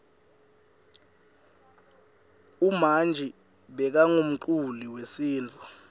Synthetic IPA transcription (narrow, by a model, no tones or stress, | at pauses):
umand͡ʒʱi | ɓɛk̬aŋum̩ǃuliwesiːnt͡fu